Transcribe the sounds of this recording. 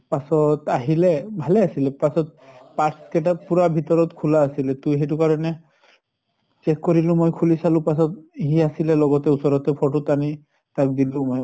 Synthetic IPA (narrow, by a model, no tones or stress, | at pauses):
pasɔtaɦilɛbʱalɛasilɛpasɔt̚paʈskɛt̬apuɹabʱit̪ɔɹɔtkʰulaːsilɛtujɦɛtukaɹɔnɛ | t͡ʃɛkːɔɹilʊ̃mojkʰulisalʊ̃pasɔthiasilɛlɔɡɔtɛusɔɹɔtɛpʰɔʈutani | tak̚dilʊ̃moj